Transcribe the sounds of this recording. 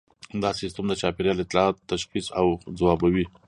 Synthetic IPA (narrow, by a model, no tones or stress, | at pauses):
d̪ɑsɪst̪əmd̪ət͡ʃɑpɪɾjɑlɪt̪lɑɑt̪ːaʃxisawd͡zawɑbawi